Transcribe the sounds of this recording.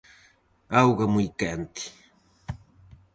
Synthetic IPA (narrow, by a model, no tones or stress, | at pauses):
awɢɑmʊjkant̪ɪ̥